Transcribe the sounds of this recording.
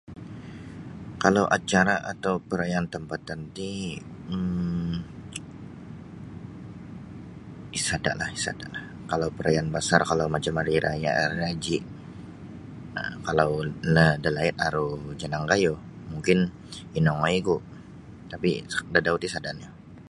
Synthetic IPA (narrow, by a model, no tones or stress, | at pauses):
kalawʔat͡ʃaɾaʔat̪awpəɾajant̪əmpat̪ːant̪i | ə | isada̰ʔlahisa̰da̰ʔlah | kalawpəɾajanbasarkalawmat͡ʃamaɾiɾʔaja̰ʔad͡ʒiʔ | ə̰kalawlədəlaɪt̪̚aɾud͡ʒanaŋɡajo | muŋkɪn | inɔŋaiɡu | t̪apḭdadaut̪isadanja